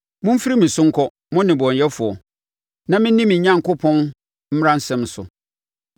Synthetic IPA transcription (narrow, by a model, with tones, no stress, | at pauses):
mʊ̃˦m̩˦fi˦ɾi˦mɪ̃˨sʊ̃˦ŋ̩˦kʰɔ˦ | mʊ̃˦nɪ̃˨bɔ̃˨n˨jɛ˦fʊ˨ɔ˨ | nã˨mɪ̃˦n˦ĩ˦mɪ̃˨ɲ̩˨ɲã˦ŋ˨kʊ˦pʰɔ̃˦n | m̩˦ɾã˦n̩˦sɛ̃˦msʊ˨